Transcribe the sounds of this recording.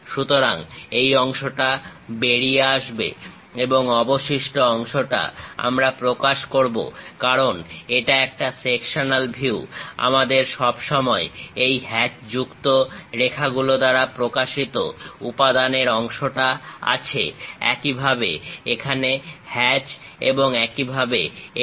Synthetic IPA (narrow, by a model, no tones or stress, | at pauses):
ʃut̪oɾaŋejɔŋʃoʈabeɾieaʃbḛ | eboŋɔboʃiʃʈoɔŋʃoʈa̰a̰mɾapɾokaʃkoɾbo̰kaɾoneʈaɛk̚ʈasekʃonalbʱiua̰mad̪eɾʃɔbʃɔmɔeejɦɛt͡ɕd͡ʑukt̪oɾekʰaɡulod̪aɾapɾokaʃit̪o̰upad̪aneɾɔŋʃoʈaa̰t͡ɕʰḛɛ̰kibʱabḛekʰanehɛt͡ɕ | ḛboŋɛkibʱabe